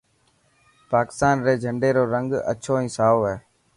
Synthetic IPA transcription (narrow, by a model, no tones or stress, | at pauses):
paːkɪ̥st̪aːnɾeːd͡ʒʱəɳɖeːɾoːɾəŋɡə̰t͡ʃʰoːĩːsaːoːɦɛː